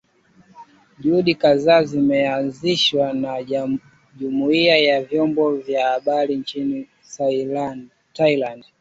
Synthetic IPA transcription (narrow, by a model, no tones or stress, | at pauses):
ʄuuɗikazaːzimɛanziʃwana | ʄumuiajavjɔmbɔvjahaɓaɾiɲt͡ʃini | sa | tailand